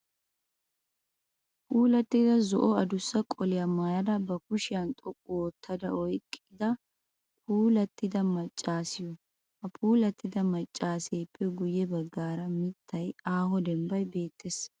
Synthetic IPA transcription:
puːlɐt̪ːɪd̪ɐzɔ̰ʔɔɐd̪ʊsːɐkʼɔlɪjɐmaːjɐd̪ɐbɐkʊʃɪjɐnt̪ʼɔkʼːʊɔt̪ʰːɐd̪ɐɔjkʼːɪd̪ɐ | pʰuːlɐt̪ːɪd̪ɐmɐt͡ʃʼːaːsɪjɔ | ɐpʰuːlɐt̪ːɪd̪ɐmɐt͡ʃʼːaːseːpʰːɛɡʊjɛbɐɡːaːɾɐmɪt̪ʰːɐjaːhɔd̪ɛmbɐjbe̞ːt̪ʰːes

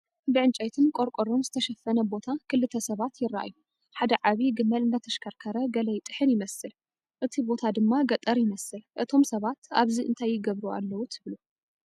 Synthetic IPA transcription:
bɨʕɨnt͡ʃʼɐjt̪ʰɨnkʼo̞ɾkʼoɾo̞mzɨt̪ʰɐʃɐfːɐnɐbo̞t̪ʰakʰɨlːɨt̪ʰːɐsɐβat̪jɪrːa̰ʔa̰jːu | ħad̪ɐʕaβiɡɨmːɐlɨnd̪ɐt̪ʰɐʃkʰɐɾkʰɐɾɐɡɐlɐjt̪ʼɨħɨnjɪmɐsɨl | ʔɨt̪ʰibo̞t̪ʰad̪ɨmːaɡɐt̪ʼɐɾjɪmɐsɨlʔɨt̪ʰo̞msɐβat̪a̰βziʔɨ̰nt̪ʰajːɪɡɐβɾua̰lːɐwut̪ʰɨβlu

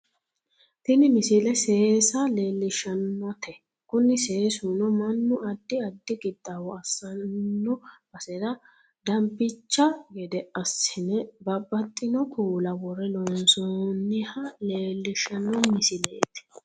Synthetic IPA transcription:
t̪ɪnɪmɪsɪlɛseːsɐle̞ːlːɪʃɐnːɔt̪ɛ | kʊnːɪseːsunɔmɐnːʊʔɐd̪ːɪɐd̪ːɪɡʼɪd̪ːɐwɔɐsːɐnːɔb̥ɐsɛɾɐ | d̪ɐmpːɪt͡ʃːɐɡɛd̪ɛʔɐsɪnɛbɐbːɐt̪ʼːɪnɔkʰuːlɐwɔrɛlɔnsɔnːɪhɐle̞ːlːɪʃɐnːɔmɪsɪleːt̪ɛ̥

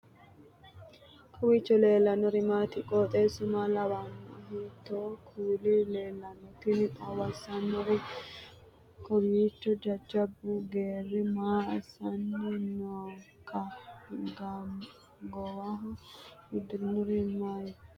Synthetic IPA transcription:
kʰʼɔwiːt͡ʃːɔleːlːɐnɔɾɪmaːt̪ɪkʼɔt̪ʼeːsʊmɐlɐwanɔɦit̪ːokʰuːlɪleːlːɐnɔt̪ɪnɐwɐsɐnːɔɾɪ | kʰɔwiːt͡ʃːɔd͡ʒɐd͡ʒɐbːuɡeːrɪmaːɐsɐnːɔnoːkʰːɐɡɐ | ɡɔwɐɦɔhɪd̪nɔɾɪmaj

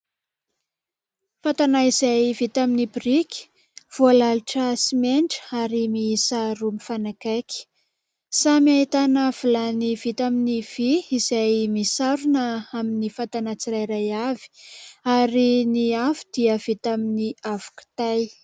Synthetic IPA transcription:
fat̪anaizajvit̪aminibirikʲi̥ | v̥ualaluʈ͡ʂəsimeɳʈ͡ʂə̥aɾimiisaɾumifanakajkʲi̥ | samiait̪anav̥ulanivit̪aminiv̥iizajmisaɾunəaminifat̪anat͡siɾajɾajavi̥aɾiniavi̥d̪̥iəv̥it̪aminiavu̥ki̥t̪aj

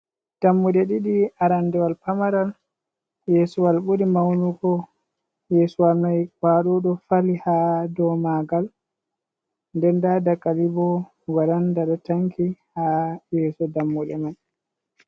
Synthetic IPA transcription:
d̥amːuɗɛɗiɗiaɾandɛwalpamaɾal | jɛːsuwalɓuɾimawnuɡɔ | jɛːsuwalmajkwaːɗɔɗɔfalihadɔmaɡal | ndɛndadakalibɔ | waɾandaɗataŋkihajɛːsɔdamːuɗɛmaj

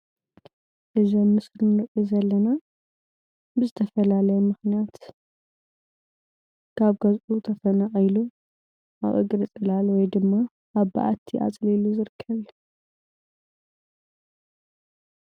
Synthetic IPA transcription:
ʔɨzomːɨsɾɨnɨʔʼizɐlːɐna | bɨzɨt̪ʰɐfɐlalɐjɛmɨxnijat̪ | kʰaβɡɐzʔut̪ʰɐfɐnaʔajlu | ʔa̰βʔɨ̰ɡʼɾɨt͡sʼɨlalwɔjd̪ɨmːa | ʔaβba̰ʔa̰t̪ʰːiʔa̰t͡sʼliluzɨɾɨkʰːɐβju

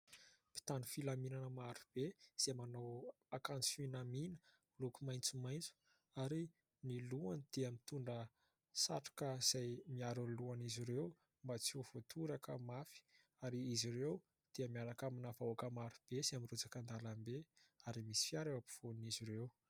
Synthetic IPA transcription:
pi̥t̪anufilaminanəmaɾub̥ez̥emanow | akant͡sfinaminə̥ | lukumajnt͡sumajnt͡su̥ | aɾi | niluand̪̥eamit̪uɳɖ͡ʐə | sa̰ʈ͡ʂḁkəz̥ajmiaɾuluaniziɾew | mbat͡suv̥ot̪ʰuɾakəmafi̥ | aɾiiziɾew | d̪̥eəmiaɾakaminafaoakəmaɾub̥ezeamirud͡zakənd̪alambeaɾimisi̥fjaɾewapi̥v̥oniziɾew

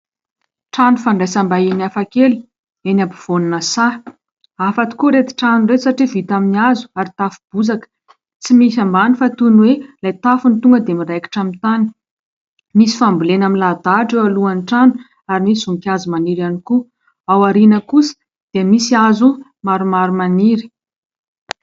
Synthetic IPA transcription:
ʈ͡ʂanufaɳɖ͡ʐajsambainiafakeli̥ | enabiv̥oninəsa | afat̪i̥kuɾet̪i̥ʈ͡ʂanuresaʈ͡ʂivit̪aminiazu̥aɾit̪afuib̥uzakə̥ | t͡simisambanifat̪unwelajt̪afunit̪uŋɡəd̪emirajki̥ʈ͡ʂamit̪ani̥ | misi̥fambulenaminlad̪aʈ͡ʂewaluanʈ͡ʂanu̥ | aɾimisizuŋkʲazimaniɾaniku | awaɾinəkusə̥ | d̪̥emisiazu | maɾumaɾumaniɾi̥

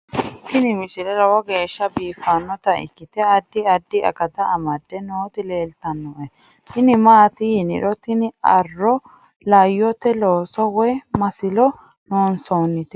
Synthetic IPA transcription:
t̪ɪnɪmɪsɪlɛlɐwɔɡe̞ːʃːɐbiːfanːɔt̪ɐɪ̰kːɪt̪ɛɐd̪ːɪɐd̪ːɪɐ̰kɐd̪ɐːmɐd̪ːɛnoːt̪ɪle̞ːlt̪ɐnːɔʔɛ | t̪ɪnɪmaːt̪ɪjɪnɪ̰ᶑɔt̪ɪnɪɐ̰rːɔ | lɐjːɔt̪ɛloːsɔwɛmɐsɪlɔ | noːnsoːnːɪt̪ɛ

